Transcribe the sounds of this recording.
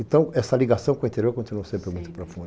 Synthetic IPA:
ẽt̪ɐ̃w̃ɛsɐliɡasɐ̃w̃kõĩt̪eɾjoɾkõnt̪inuɐ̃sẽpɾeɾmũj̃t̪ʊ̥pɾofũd̪

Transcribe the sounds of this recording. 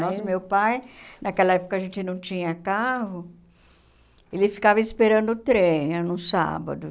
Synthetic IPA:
nɔsmewpajnʔɐkɛlɐɛpo̥kɐʒẽnt͡ʃɪnɐ̃w̃t͡ʃĩɲɐkahʊ | elɪfi̥kavɐispeɾɐ̃nd̪ʊːt̪ɾẽj̃ɐnũsa̰bɐ̰d̪ʊ

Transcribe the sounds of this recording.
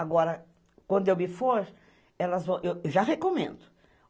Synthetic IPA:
aɡɔɾɐ | kwɐ̃nd̪ʊewmɪfoɾ | ɛlɐzvɐ̃w̃ʔewewʒaɦekomḛ̃nd̪ʊ̥

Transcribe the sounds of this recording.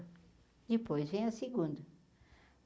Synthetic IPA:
d͡ʒ̪ɪpojzvẽj̃ɐsiɡũd̪ɐ

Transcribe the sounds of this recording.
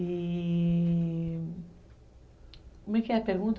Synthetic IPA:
i | komɛkɛɐpeɾɡũnt̪

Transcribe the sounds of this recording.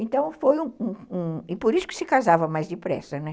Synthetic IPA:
ẽnt̪ɐ̃w̃fojũũũɪpoɾisʊ̥kɪ̥sɪkazavɐmajzdɪpɾɛ̰sɐnɛ

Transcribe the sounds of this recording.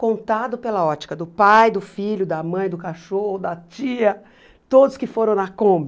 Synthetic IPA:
kõnt̪ad̪ʊpelɐɔt͡ʃi̥kɐd̪ʊpajd̪ʊfiʎʊd̪ɐmɐ̃j̃d̪ʊkaʃohʊd̪ɐt͡ʃiɐ | t̪od̪ʊskɪfoɾɐ̃w̃nɐkõbɐ

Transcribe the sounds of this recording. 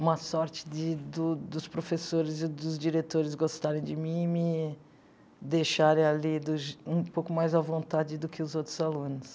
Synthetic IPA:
ũmɐsɔɾt͡ʃɪ̥d͡ʒɪd̪ʊd̪ʊspɾofesoɾɪzɪd̪ʊzd͡ʒiɾet̪oɾɪzɡost̪aɾẽj̃d͡ʒɪmĩmɪ | d̪ejʃaɾẽj̃alid̪ʊʒũpowkʊmajzɐvõnt̪ad͡ʒɪd̪ʊkɪʊzowt̪ɾʊzalũnʊs

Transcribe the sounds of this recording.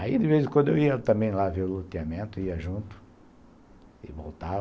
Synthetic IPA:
aid̪ɪvezɪkwɐ̃d̪ʊewiɐt̪ɐ̃mbẽj̃lavelot̪eamẽnt̪ʊiɐʒũnt̪ʊ̥ | ɪ̰volt̪a

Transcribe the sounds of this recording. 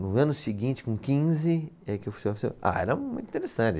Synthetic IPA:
nʊɐ̃nʊsiɡĩnt͡ʃɪ̥kõkĩzɪ | ɛkɪewfsejɐfsea̰ɛ̰ɾɐmũt̪ĩt̪eɾesɐ̃t͡ʃɪ

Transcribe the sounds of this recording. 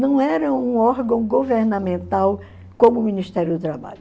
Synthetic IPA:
nɐ̃w̃ɛɾɐũɔɾɡɐ̃w̃ɡoveɾnamẽnt̪aw | kõmʊːminiʃt̪ɛɾjʊd̪ʊt̪ɾaba̰ʎʊ

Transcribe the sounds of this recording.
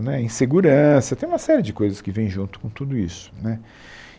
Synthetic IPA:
nɛĩseɡuɾɐ̃sɐt̪ẽj̃ũmɐsɛɾɪd͡ʒɪkojzɐskɪvẽj̃ʒũnt̪ʊ̥kõt̪ud̪ʊisʊ̥nɛ

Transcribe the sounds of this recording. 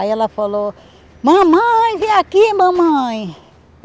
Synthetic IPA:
aiɛlɐfalo | mɐ̃mɐ̃j̃viakimɐ̃mɐ̃j̃

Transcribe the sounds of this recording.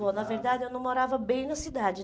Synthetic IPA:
onɐveɾd̪ad͡ʒɪewnɐ̃w̃moɾavɐbẽj̃nɐsid̪ad͡ʒɪ

